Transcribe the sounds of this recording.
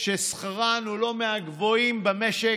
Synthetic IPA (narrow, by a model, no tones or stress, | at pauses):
ʃesχaʁanulo̞meaɡvo̞imbameʃe